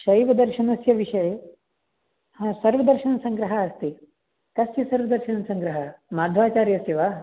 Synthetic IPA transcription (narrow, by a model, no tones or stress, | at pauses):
ʃɐjʋɐd̪ɐɾʃɐnɐsjɐʋiʃɐje | hasɐɾʋɐd̪ɐɾʃɐnɐsɐ̃ŋɡɾɐɦɐːst̪i | kɐsjɐsɐɾʋɐd̪ɐɾʃɐnɐsɐ̃ŋɡɾɐɦɐmaːd̪ʱʋaːt͡ʃaːɾjɐsjɐʋaː